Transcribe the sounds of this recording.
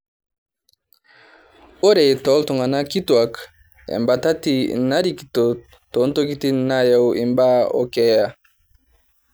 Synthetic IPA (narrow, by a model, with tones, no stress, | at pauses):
o˦ɾe˨tɔ˨˦lto˨ŋɡa˨na˦ki˦twa˨k | ḛ˨mba˨ta˦ti˦na˦ɾi˦˨ki̥˨to˨ | to˨˦n˦to˦ki˦ti˦na˦ja˨wʔḛ˨mba˦o̰˨kɛ˨ja˨